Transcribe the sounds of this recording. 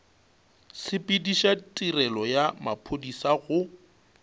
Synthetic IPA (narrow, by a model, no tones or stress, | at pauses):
sɪpʼɪdiʃatʼirɛlɔjamapʰodisaɣʊ